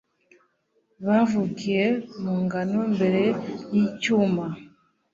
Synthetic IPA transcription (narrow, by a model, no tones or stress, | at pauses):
βavukijemuŋɡanombeɾejicuma